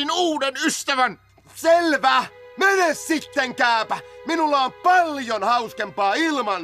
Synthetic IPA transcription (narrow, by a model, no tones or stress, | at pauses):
inuːdenyst̪æʋæn | selʋæːmenessit̪ːeŋkæˑːpæminulːɑompɑljonhɑuskempɑːilmɑn